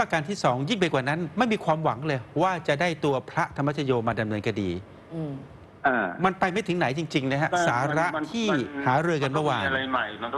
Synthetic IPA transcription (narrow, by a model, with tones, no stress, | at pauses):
ʔa˧kaː˧nt̪ʰiː˥˩sɔː˩˦ŋji˥˩ŋp̬a˧jkwaː˨˩na˦˥nma˥˩jmiː˧kʰwaː˧mwa˩˦ŋlɤː˧jwaː˥˩t͡ɕa˨˩daː˥˩jt̪u˧ɐpʰɾa˦˥ʔt̪ʰa˧mːa˦˥˩t̪ʰa˧joː˧maː˧da˧mnɤː˧nka˧diː˧ | aː˧˩ma˧npa˧jma˥˩t̪ʰɯ˩˦ŋna˩˦jt͡ɕi˧ŋt͡ɕi˧ŋna˦˥kʰa˦˥saː˩˦ɾa˦˥ʔt̪ʰiː˥˩haː˩˦ɾɯː˧ka˧na˥˩waː˧˩˧a˧jma˨˩j